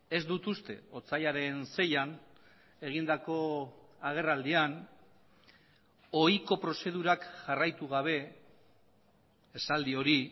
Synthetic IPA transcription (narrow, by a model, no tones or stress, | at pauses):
e̞zd̪ut̪ust̪e̞̰o̞t͡sajaɾe̞nse̞jan | e̞ɣ̞ind̪ako̞aɣ̞e̞rald̪ian | o̞jko̞pɾo̞se̞ð̞uɾakʝarajt̪uɣaβ̞e̞ | sald̪io̞ɾi